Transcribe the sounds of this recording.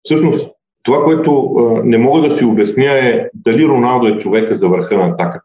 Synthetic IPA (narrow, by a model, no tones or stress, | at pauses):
fsɤʃnos | t̪ovakoɛt̪ʊnɛmɔɡəd̪ɐsiobɛsnʲjəɛd̪ɐliɾonalˠd̪oɛt͡ʃovɛkəzɐvəɾxɤnɐːt̪akə̥